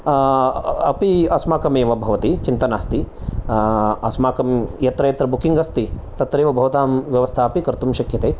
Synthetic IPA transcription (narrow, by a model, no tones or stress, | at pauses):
ɐpiɐsmaːkɐmeːʋɐbʱɐʋɐt̪it͡ʃint̪ɐnaːst̪i | ɐsmaːkɐmjɐt̪ɾɐjɐt̪ɾɐbukiŋɡɐst̪i | t̪ɐt̪ɾeːʋɐbʱɐʋɐt̪aːmʋjɐʋɐst̪ʰaːɐpikɐɾt̪umʃɐkʰjɐt̪eː